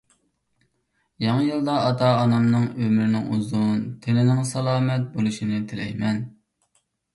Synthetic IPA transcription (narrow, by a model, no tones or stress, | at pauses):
jɑŋɨjɨlˠd̪ɑːt̪ʰɑːnɑmnɨŋømɾɪnɪŋuzunt̪ʰenɪnɪŋsɑlˠɑːmɛt̪̚bolˠuʃinɪt̪ʰɪlɛjmɛn